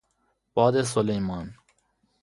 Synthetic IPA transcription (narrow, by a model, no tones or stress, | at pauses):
b̥ɒːd̪es̬olejmɒːn